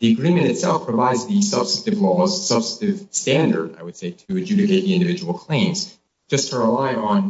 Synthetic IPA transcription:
ðiɨɡɹĩmɨ̃ñtɨtsɛlˠfpʰɹ̥əvaɪdzðɨsʌb̥sɨk̚tɨvlɔʌsʌb̥sɨ̥tɨv̥stæ̃ndə̰˞ɾa̰ɪwɨd̥seɪɾɨɨd͡ʒʉɾɨkʰeɪt̪̚ðiɪ̃ndɨvɪd͡ʒəwl̩ˠkʰl̥ẽɪ̃mz̥ | d̥ʒ̥ʌstʰəɹəlaɪə̃n

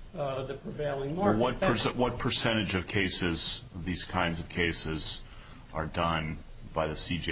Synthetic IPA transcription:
ðɨpʰɹ̥veɪlˠɪ̃ŋwʌt̚pʰə˞swʌt̚pʰə˞sɛ̃ɾ̃ɨd͡ʒʌv̥kʰeɪsɪzʌvðiz̥kʰãɪ̃ndzʌv̥kʰeɪsɪz | ʔə˞dʌ̃n | b̥aɪðɨsid͡ʒi

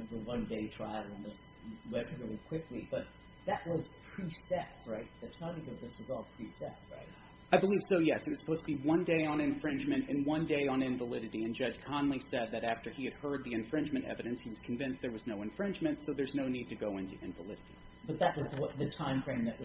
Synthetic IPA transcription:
vðəwʌ̃ndeɪtʰɹ̥aɪl̩ˠə̃nðɪs | wɛpʰɨvlˠikʰw̥ɪklib̥ʌt̪̚ | ðɨʔ̚wʌz̥pʰɹ̥isɛp̚t̚ɹaɪt̪̚ðɨtʰãɪ̃mĩtɨðɪswʌzɔlˠpʰɹ̥isɛ̰p̚t̚ɹa̰ɪt̚ | aɪbəliv̥soʊjɛsɨt̚wʌ̥z̥sə̥pʰoʊztʰɨbiwʌ̃ndeɪə̃nɨ̃ɱfɹɪ̃nd͡ʒmɨ̃ntɨ̃nwʌ̃ndeɪə̃nɪ̃ɱvəlɪɾɨɾiɨ̃nd͡ʒʌd͡ʒ̥ʒ̥kʰɑ̃nn̩lisɛd̪̚ðɨɾæftə˞iɨd̚hɜ˞d̪̚ðiɨ̃ɱfɹɪ̃nd͡ʒmɨ̃ntɛ̰vɨɾɨ̃nshiwʌz̥kʰɱ̩vɪ̃nsðə˞wʌznoʊɨ̃ɱfɹɪ̃nd͡ʒmɨ̃ntsoʊðə˞znoʊnid̚tʰɨɡoʊɪ̃ntʉ̰ʔɪ̰̃ɱvəlɪɾɨɾḭ | b̥ʌt̪̚ðɨʔ̚wʌzðwʌt̪̚ðɨtʰãɪ̃mfʰɹ̥ẽɪ̃nðɨʔwʌ

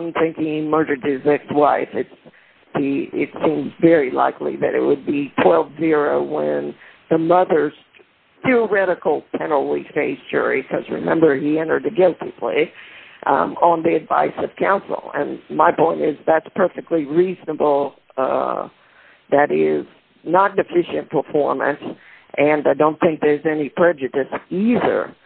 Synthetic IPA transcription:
mθɪ̃ŋkimɜ˞ɾə˞d̚ɪzɛkswaɪfɨts | iɪ̰tsĩmzvɛɹila̰ɪklḭðɨ̰ɾɨ̰ʔ̚wəd̚bitʰw̥ɛlˠvzɪɹoʊwə̃nðɨmʌðə˞z̥ | θiə˞ɛɾɨkl̩ˠtʰɛ̃nl̩ˠlifeɪsd̥ʒ̥ʊ̰˞ɹikʰʌ̰zɹɨ̰mɛ̃mbə˞iɛ̃ñə˞d̪̚ɨɡɪlˠtʰipʰl̥ḛɪʔə̃nðiɨdva̰ɪsʌv̥kʰãʊ̃nsl̩ˠɨ̰̃nmaɪpʰɔ̃ɪ̃ntɪzðætspʰɜ˞fɨk̚tˡliɹiznəbl̩ˠ | ʌ | ðɨɾɪz | nət̚ⁿdɨfɪʃɨ̃npʰə˞fɔɹmɨ̰̃ns | ʔɨ̃naɪdõʊ̃nθɪ̃ŋk̚ðə˞zɛnipʰɹ̥ɛd͡ʒɨɾɨsiðə̰˞

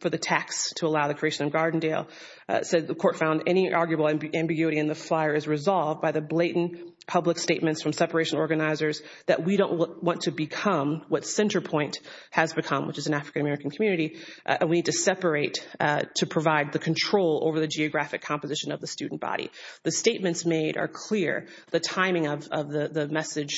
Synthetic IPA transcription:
fə˞ðɨtʰækstʰəəlaʊðɨkʰɹ̥ieɪʃɨ̃nʌ̃vɡɑɹdⁿn̩deɪlˠ | sɛd̚ðɨkʰɔɹtfãʊ̃ndɛñiʔɑɹɡjɨbl̩ˠʔæ̃mbɪɡjʉɨɾiɨ̃nðɨflaɪə˞ɨzɹɨzɑlˠvdbaɪðɨbleɪʔn̩ | pʰʌbləksteɪt̚mɨ̃ntsfɹʌ̃msɛpə˞eɪʃɨ̃nɔɹɡɨnaɪzə˞z | ðɨ̰ʔ̚wiɾõʊ̃nʔwɑ̃ntʰɨbɨkʰʌ̃mwʌtsɛ̃ntə˞pʰɔ̃ɪ̃nthɨzbɨkʰʌ̃mwət͡ʃɨzɨ̃n̩æfɹɨkɨ̃nɨmɛɹɨkn̩kʰm̩jʉnɨɾiɨ̰̃nwinid̚tʰɨsɛpə˞eɪttʰɨpʰɹ̥ɨvaɪd̪̚ðɨkʰn̩tʰɹ̥oʊlˠo̰ʊvə˞ðɨd͡ʒiɨɡɹæfɨkʰːɑ̃mpɨzɪʃɨ̃nʌvðɨstʉ̰dⁿn̩b̥ɑ̰ɾḭðɨsteɪt̚mɨ̃ntsmeɪɾə̰˞kʰl̥ɪɹ | ðɨtʰãɪ̃mɪ̃ŋʌvʌvðɨðɨmɛsɨd̥ʒ̥

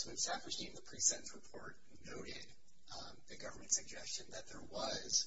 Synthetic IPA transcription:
swisæftə˞hiɪ̃ŋðəpʰɹ̥isɛ̃nsɹɨpʰɔɹt̚ | noʊɾɪd̚ | ðɨɡʌvə˞mɨ̃ntsɨɡ̚d͡ʒɛst͡ʃɨ̃nðɨt̪̚ðə˞wʌz̥

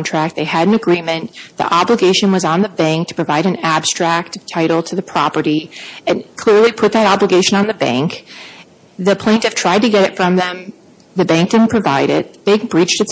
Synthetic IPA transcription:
ntʰɹ̥æk̪̚ðeɪɨɾn̩ɨɡɹĩmɨ̃nðḭʔɑbləɡeɪʃɨ̃nwʌzn̩ðɨbæ̃ŋk̚tʰə̥pʰɹ̥ɨvaɪɾɨ̃n̩æb̥stɹ̥æk̚tv̥tʰaɪɾl̩ˠtʰɨðɨpʰɹ̥ɑpə˞ɾiɨ̃nkʰl̥ɪɹlipʰʊt̪̚ðɨɾɑbləɡeɪʃɨ̃nə̃nðɨbæ̰̃ŋk | ðɨpʰl̥ẽɪ̃ntɨv̥tʰɹ̥aɪd̚tɨɡɛɾɨtfɹʌ̃mðɨ̃m | ðɨbæ̃ŋk̚dɨn̩pʰɹ̥ɨva̰ɪɾɪ̰t̪̚ðb̥æ̃ŋk̚b̥ɹit͡ʃtɨts

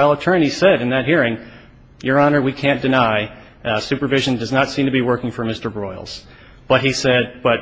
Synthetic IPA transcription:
aɪlˠətʰɜ̃˞nisɛɾɨ̃nðɨt̚ɦiɹɪ̃ŋ | jə˞ɑnə˞wikʰæ̃nd̥ɨnaɪ | sʉpə˞vɪʒɨ̃ndʌznətsĩmtʰɨbiwɜ˞kɪ̃ŋfə˞mɪstə˞bɹɔɪl̩ˠz̥ | b̥ʌt̚hisɛd̚b̥ʌt̚

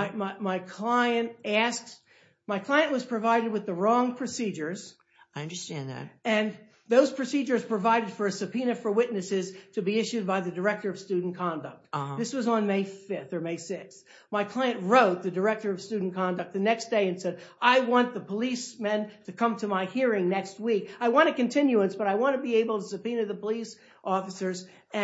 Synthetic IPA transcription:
ɪmaɪmaɪkʰl̥aɪɨ̃ntæsk̚t | maɪkʰl̥aɪɨ̃nʔwʌz̥pʰɹ̥ɨvaɪɾɨd̚wɨðəɹɔ̃ŋpʰɹ̥ɨsid͡ʒə˞z̥ | aɪʌ̃ndə˞stæ̃nðæ̰t̚ɨ̃n | ðoʊz̥pʰɹ̥ɨsid͡ʒə˞z̥pʰɹ̥ɨvaɪɾɨd̥fə˞ɨsɨpʰĩnɨfə˞wɪtⁿnɨsɪz̥tʰɨbiɪʃʉd̚baɪðɨdə˞ɛk̚tə˞ʌv̥stʉdⁿn̩kʰɑ̃ndɨk̚t̚ðɪswʌzn̩meɪfɪfθə˞meɪsɪks | maɪkʰl̥aɪɨ̃nʔɹoʊt̪̚ðɨdə˞ɛk̚tə˞ʌv̥stʉdⁿn̩kʰɑ̃ndɨk̚t̪̚ðɨnɛksd̥eɪɨ̃nsɛɾaɪwɑ̃nðəpʰəlismɛ̃ntʰɨkʰʌ̃mtʰɨmaɪhiɹɪ̃ŋnɛkst̚wikaɪwɑ̃ɾ̃ɨkɨ̃ntʰɪ̃njʉə̃nsb̥ʌɾaɪwɑ̃nɨbieɪbl̩ˠtəsɨpĩnɨðəpəlis | ʔɔfɨsə˞z | ɨ̃

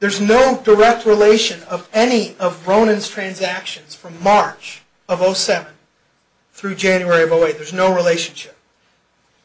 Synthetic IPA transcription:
ðə˞znoʊdə˞ɛk̚t̚ɹileɪʃɨ̃nʌvɛniʌvɹõʊ̃nɨ̃nz̥tʰɹ̥æ̃nzækʃɨ̃nz̥fɹʌ̃mːɑɹt͡ʃ | ʌvoʊsɛvɨ̃n | θɹʉd͡ʒæ̃njʉɛɹiʌvoʊeɪðə˞znoʊɹileɪʃɨ̃n̩ʃɪp̚

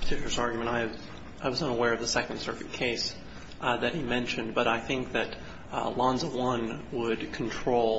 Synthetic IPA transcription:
pʰə̥tʰɪkjl̩ˠɨsɑɹɡjmɨ̃ñaɪ | ʔaɪwʌzʌ̃nəwɛɹʌvðəsɛkn̩d̥sɜ˞kɨt̚kʰeɪs | ðɨt̚himɛ̃nʃɨ̃nbʌɾaɪθɪ̃ŋk̚ðɨt̚ | lɑ̃nzəwʌ̃nwəd̚kʰn̩tʰɹ̥oʊlˠ

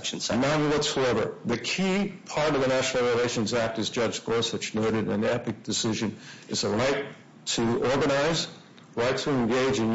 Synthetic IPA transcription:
ʃn̩snaʊ̃wʌtsaʊɛvə̰˞ðɨkʰipʰɑɹɾʌvðɨnæʃnl̩ˠɹileɪʃɨ̃nzæk̚tɨzd͡ʒʌ̥d͡ʒkʰɔɹswɨt͡ʃnoʊɾɨɾɨ̃nɛpɨk̚d̥ɨsɪʒɨ̃nʔɨzəɹaɪtʰ | ɨɔɹɡɨnaɪz | ɹaɪtʰɨɨ̃nɡeɪd͡ʒɨ̃n

